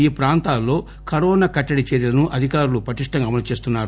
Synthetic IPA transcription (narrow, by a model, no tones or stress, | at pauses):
iːpɾaːnt̪aːlːo̞ː | kɐɾɔːnaːkɐʈːɐɽit͡ʃeːɾjilɐnuʔɐd̪ʱikaːɾulupɐʈiʂʈɐŋɡaɐmɐlɐt͡ʃe̞ːs̬t̪unːaːɾu